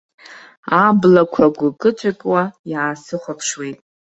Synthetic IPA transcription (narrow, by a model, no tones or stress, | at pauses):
ablakʷʰaɡʷʊkʼɨt͡ʃʷʰʼakʲʼwajaːsɨχʷapʰʂwijtʼ